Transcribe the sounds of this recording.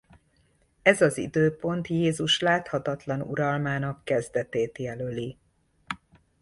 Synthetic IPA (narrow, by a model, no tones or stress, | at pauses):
ɛzɒzḭd̪øːpo̞nt̪jeːzuʃlaːt̪hɒt̪ɒt̪lɒnṵɾɒlmaːnɒkːɛzd̪ɛt̪eːt̪jɛløli